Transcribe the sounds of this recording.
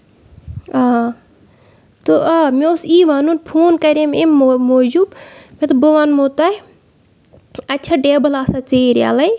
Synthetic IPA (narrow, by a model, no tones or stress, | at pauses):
aː | t̪oaːmeosiːʋaːnunpʰoːnkɐɾememmoːd͡ʒubmet̪uboʋaːnmoːt̪aː | ɐtːʃʰaɖeːbɐlaːsat͡seːɾja̰ːlɐj